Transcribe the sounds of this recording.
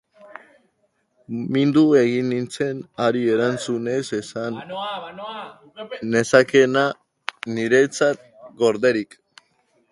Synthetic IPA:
mind̪ue̞ɣinint͡se̞naɾie̞ɾant͡sune̞sesan | ne̞sake̞na | niɾe̞t͡sat̪̚ | ɡo̞ɾðe̞ɾik

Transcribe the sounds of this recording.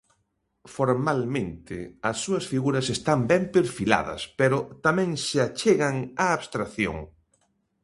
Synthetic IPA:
foɾmalmẽnt̪ɪ̰ɐsːuɐsfiɣuɾɐsest̪ambɛmpeɾfila̰ðɐ̰speɾʊt̪amɛ̃ŋsɪat͡ʃeɣɐŋaːβst̪ɾaθjo̰ŋ

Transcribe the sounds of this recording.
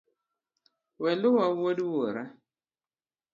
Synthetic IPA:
wɛlʊwawodwoɾa

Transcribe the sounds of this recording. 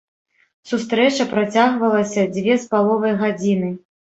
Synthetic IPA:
sus̬t̪ɾɛt͡ʂɐpɾat͡sʲaɣvɐlˠɐsʲɐd͡zʲvʲɛspalˠɔvɐjɣad͡zʲinɨ

